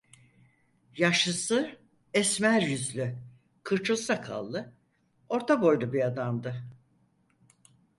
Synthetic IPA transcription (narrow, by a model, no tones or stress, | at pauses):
jaʃɯsɯ | ɛsmæɾjyzlʲy | kʰɯɾt͡ʃʰusakʰa̰lˠːɯ | o̞ɾt̪ʰabo̞jlubiad̪amd̪ɯ